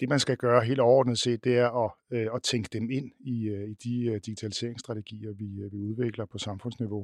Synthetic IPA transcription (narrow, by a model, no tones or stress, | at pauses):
d̥e̝mænsɡ̥æɡ̥ɶːɐɦe̝̰ːld̥ɒʊɒ̰ːd̥nð̩ˠse̝̰ːd̥d̥e̝æɐɒ̽ɒ̽t͡sʰeŋɡ̥əd̥eme̝n̰iid̥id̥iɡ̥it͡sʰælise̝ɐeŋsd̥ʁɑ̈t͡sʰeɡ̥ḭːɐʋiʋiuð̞ˠʋe̝ɡ̥lɐpʰɒ̽sɑ̈mfɔ̽n̰sniʋo̝